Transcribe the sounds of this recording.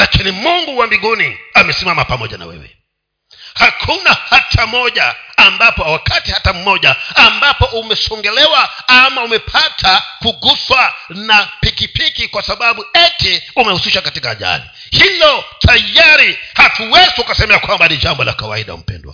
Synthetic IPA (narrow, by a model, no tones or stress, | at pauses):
lakinimuŋɡuwambiɡuniamɛsimamapamɔʄa̰na̰wɛ̰wɛ̰ | hakʰunahatʰamɔʄaːmbapɔwakatihatam̩mɔʄaːmbapɔʔumɛsɔŋɡɛlɛwaamaumɛpʰatʰakuɡuswanapikipikikwasaɓaɓuɛtɛumɛhusiʃakatikaːʄa̰lḭ | hilɔtʰajaɾihatuwɛziukasɛmɛakwambaniʄambɔla̰kawa̰iɗa̰ṵm̩pɛ̰ndwa̰